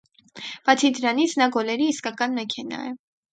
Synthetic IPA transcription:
b̥ɑt͡sʰid̪əɾɑnit͡sʰnɑɡɔlɛɾiːskɑkɑnmɛkʰɛnɑ̰jə

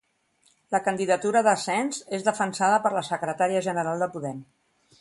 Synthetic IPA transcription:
ləkənd̪iðət̪uɾəðəsɛnzezðəfənsaðəpəɾləsəkɾət̪aɾiəʒənəɾalˠd̪əpuðɛm

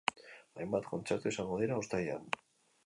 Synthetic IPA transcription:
ajmbat̪ko̞nt͡seɾt̪ue̞saŋɡoð̞eɾaost̪aja̰n

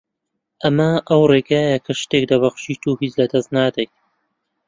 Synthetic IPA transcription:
ʔɐmɐʔɐwreːɡaːjɐkʰɐʃt̪ek̚d̪ɐβɐχʃiːt̪ʰuːhit͡slɐd̪ɐznaːd̪aj

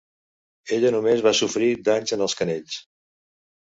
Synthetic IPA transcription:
eʎənumezβasufɾid̪aɲzənəlˠskəneʎs

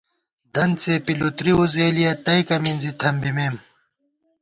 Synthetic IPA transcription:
d̪ɐnt͡sepilut̪ɾiuzeːlijɐt̪ɐikɐminzit̪ʰɐmbimeːm

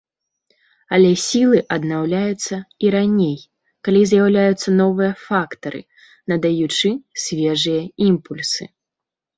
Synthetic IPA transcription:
ɐlʲɛsʲilˠɨʔɐd̪nawlʲajut̪sːɐiɾanʲej | kalʲizʲjawlʲajut̪sːɐnɔvɨjɐfakt̪ɐɾɨ̰ | nɐd̪ajut͡ʂɨsʲvʲɛʐɨjɐimpulʲsɨ̰

